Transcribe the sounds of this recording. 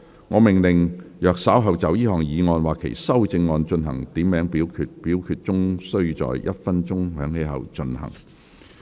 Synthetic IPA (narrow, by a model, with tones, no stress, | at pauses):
ŋɔː˨˧mɪ˨˩ŋlɪ˨ŋjœː˨k̚saː˨˥wɦɐ˨wt͡sɐ˨˥wjiː˥hɔː˨ŋjiː˨˧ŋɔː˧nwaː˨kʰḛ˨˩jsɐ˥wt͡sɪ˧ŋːɔː˧nt͡ʃɵ˧nɦɐ̰˨˩ŋt̪iː˨˥mːɛː˨˥ŋpiː˨˥wkʰyː˧˥t̚piː˨˥wkʰyː˧t̚t͡sʊ˥ŋsɵ˥ɥt͡sɔ̰ː˨jjɐ˥t̚fɐ˥nt͡ʃʊ˥ŋhœː˨˥ŋhe˨˥jɦɐ̰˨wt͡ʃɵ˧nhɐ̰˨˩ŋ